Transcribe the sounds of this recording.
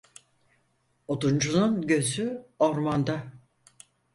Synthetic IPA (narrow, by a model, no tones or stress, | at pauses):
ot̪und͡ʒununɟø̞zyoɾmand̪a